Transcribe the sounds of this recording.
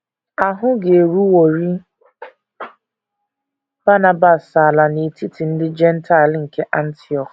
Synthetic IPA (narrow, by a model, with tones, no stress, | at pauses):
a˨ɦʊ˦ɡe˨ɾu˦wo˨ɾi˦ | b̥a˦na˨ba˨sa˨la˨ne˨ti˦ti˨n̩˦dɪ˦d͡ʒɛ˦n̩˦ta˦˨lŋ̩˨ke˦ʔa˦n̩˦ti˦ɔ˨k